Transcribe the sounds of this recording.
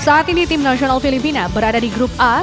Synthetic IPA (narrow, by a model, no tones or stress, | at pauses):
saat̪init̪imnəɕonalfilipinabəɾad̪aɾiɡɾupa